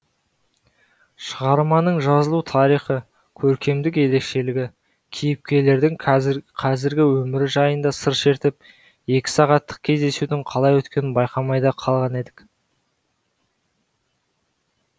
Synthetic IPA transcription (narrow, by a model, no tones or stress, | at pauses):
ʃəʁɑɾmɑnəɴʒɑzəlˠut̪ʰɑɾijχə | kʲʰɵɾkʲe̞md̪ɪk̬e̞ɾe̞kʃe̞lɪɡʲɪ | kʲʰijɪp̚kʲe̞le̞ɾd̪ɪŋqʰɑzɪɾɡʲɪwɵmɪɾɪʒɑjənd̪ɑsəɾʃe̞ɾt̪ɪp̚ | e̞kʲɪ̥sɑʁɑt̪ʰːə̥q̚kʲʰe̞zd̪e̞sud̪ɪŋqʰɑlˠɑjwɵt̪kʲe̞nɪnbɑjqɑmɑjd̪ɑqʰɑlˠʁɑne̞d̪ɪk